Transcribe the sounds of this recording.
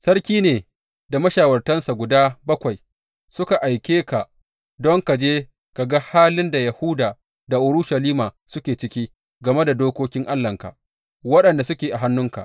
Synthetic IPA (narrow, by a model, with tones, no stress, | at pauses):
sɐ˦rkʲiː˦neː˨ | da˨mɐ˦ʃaː˨wɐ˨rtɐ˦nsa˨ɡʷʊ˨daː˦bɐ˦kʷa˨j | sʊ˦ka˨ʔa˨jkʲeː˦ka˨ | dɔ˦ŋka˨d͡ʒeː˦ | ka˨ɡa˦haː˦lɪ˦nda˨jɐ˨hʊ˦daː˨ | da˨ʔʊ˨ɾʊ˦ʃa˨liː˦maː˨ | sʊ˦kʲeː˨t͡ʃɪ˦kʲiː˦ | ɡɐ˨me˦da˨doː˦kʷoː˦kʲɪ˦ŋʔa˦lːɐ˨ŋka̰˨ | wɐ˦ɗɐ˨nda˨sʊ˦kʲeː˨ʔa˨ɦa˦nːʊ˦ŋka̰˨ʔ